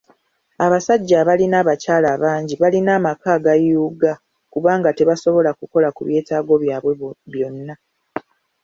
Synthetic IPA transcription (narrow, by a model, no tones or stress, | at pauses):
aβasaɟːaβalinaːβacaːlaːβaːɲɟiβalinaːmakaɡajuːɡa | kuβaːŋɡate̞βaso̞βo̞lakuko̞lakuβje̞ːtaːɡo̞βjaːβweβjo̞nːa